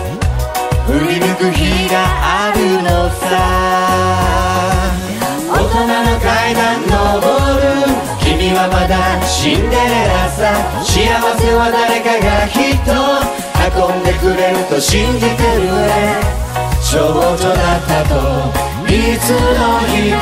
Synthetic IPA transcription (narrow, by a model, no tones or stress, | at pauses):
ɯ̟mʲinɯkɯ̟çiɡaʔaɾʲinosa | ot̪o̞nano̞kaid̪anːoboɾɯ̟ | kʲimʲiβamat̪aɕĩnd̪eɾasa | ɕiaβase̞βad̪aɾe̞kaɡaçit̪ːo̞ | hakõnd̪e̞kɯ̟ɾe̞ɾɯ̟t̪o̞ɕĩnd͡ʒit̪ɯɾɯ̟e | ɕoboko̞d̪at̪ːat̪o | it͡sɨnoçi